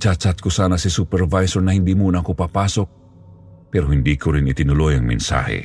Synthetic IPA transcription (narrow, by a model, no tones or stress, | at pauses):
t͡ʃat͡ʃat̪̚kusanasisupɛrvajsɔrnaɦindimunakupapasɔk̚ | pɛrɦindikuɾinit̪inulɔjaŋmḭnsa̰hḛ